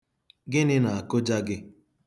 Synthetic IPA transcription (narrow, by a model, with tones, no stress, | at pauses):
ɡɪ˦nɪ˦na˨a˨kʊ˦d͡ʒa˦ɡɪ˦